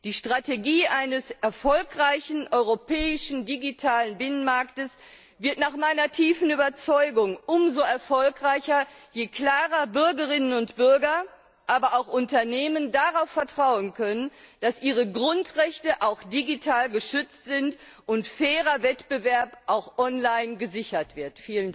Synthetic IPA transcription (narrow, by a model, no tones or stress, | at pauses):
d̥iːʃtʁ̥ateɡiːʔaɪnəsʔɛɐfɔlkʁaɪçn̩ʔɔʏʁopɛːɪʃn̩diɡitʰaːlənbɪnənmaɐktəs | vɪɐtnaːχmaɪnɐtʰiːfn̩yːbɐt͡sɔʏɡʊŋʔʊmzoɛɐfɔlkʁaɪçɐjeːkl̥aːʁɐbʏɐɡəʁɪnənʊntb̥ʏɐɡɐ | ʔaːbɐʔaʊxʔʊntɐneːməndaʁaʊfɛɐtʁ̥aʊənkʰœnənd̥asʔiːʁ̞əɡʁʊntʁɛçtəʔaʊxd̥iɡitʰaːlɡəʃʏt͡stz̥ɪntʔʊntfɛːʁɐvɛtb̥əvɛɐpʔaʊxʔɔnlaɪnɡəzɪçɐtv̥ɪɐtfiːlən